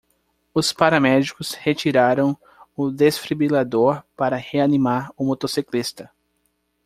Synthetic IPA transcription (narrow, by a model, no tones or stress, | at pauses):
ʊspaɾɐmɛd͡ʒikʊshet͡ʃiɾaɾɐ̃w̃ | ʊd̪esfɾibilad̪oɾpaɾɐheanimaɾʊmot̪osiklist̪ɐ